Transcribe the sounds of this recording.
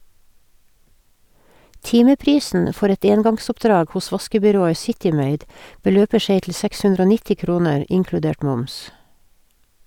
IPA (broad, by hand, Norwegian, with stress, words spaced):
ˈtɪməˌpɾiːsn̩ ə ˈfɔɾ ˈɛt ˈeːnɡɑŋsɔpˌdɾɑːɡ ˈhʊs ˈʋɑskəbʏˌɾoːə ˈsɪtɪ ˈmeɪd bəˈløːpə ˈseɪ tl̩ ˈsɛks ˈhʉndɾ ˈoː ˈnɪtɪ ˈkɾuːnəɹ ˈʔʔɪŋkɽʉˌdeːʈ ˈmʊms